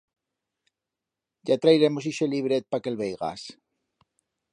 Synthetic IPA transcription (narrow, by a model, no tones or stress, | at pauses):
ɟ͡ʝat̪ɾajɾe̞mos̬iʃeliβɾet̪̚pake̞lβejɣa̰s